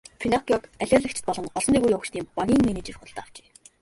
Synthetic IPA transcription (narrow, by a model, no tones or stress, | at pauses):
fʰinɔkʲɔkæɮʲaːrɮə̆kt͡ɕʰɪ̥̆t̪pɔɮɞ̆nɔɮɞ̆nt̪iːɣujiʊkt͡ɕt̪iːmpaɣʲiːŋmeneːt͡ɕĕrχʊɮt̪aw̥t͡ɕe̥ː